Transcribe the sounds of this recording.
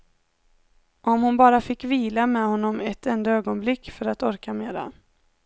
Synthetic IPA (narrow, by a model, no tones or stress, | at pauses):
ʔɔmhʊnbɑːɾafɪkːviːlamɛhɔnːɔmɛt̪ɛnd̪aøːɡɔnblɪkːfœɾat̪ɔɾkameːɾa̰